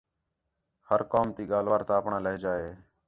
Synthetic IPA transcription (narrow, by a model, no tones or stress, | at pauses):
həɾkoːmt̪iːɠaːlʋaːɾt̪aːpɳãːləɦd͡ʒaːeː